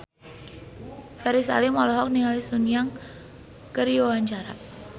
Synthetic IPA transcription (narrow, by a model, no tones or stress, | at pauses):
fɛɾisa̰limɔlɔɦɔk̚niŋalisunijaŋ | kərjowaɲt͡ʃaɾa